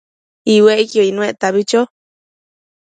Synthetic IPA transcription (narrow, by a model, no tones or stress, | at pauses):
iweʔikioinũeʔt̪aβit͡ʃo